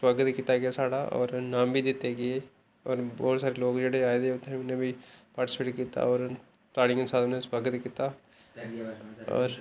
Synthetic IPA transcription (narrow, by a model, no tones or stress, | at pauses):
swəɡət̪kit̪aːɡɪjaːsaːɽa̰ːʔɔ̰ːɾnãːmbʱiːd̪ɪt̪ːeːɡɪeː | ɔːɾbɔːt̪saːɾeːloːkd͡ʒeːɽeaːed̪eʊt̪ːeɦmɪnẽːbʱiːpaːʈɪ̥speːʈkiːt̪a̰ːɔːɾ | t̪aːɽɪ̃ŋɡənsaːd̪nẽswəɾɡət̪kiːt̪aː | ɔ̰ːɾ